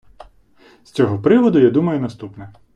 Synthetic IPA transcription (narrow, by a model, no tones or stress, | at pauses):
st͡sʲɔɦɔpɾɪʋɔd̪ʊjad̪umɐjʊnɐst̪upnɛ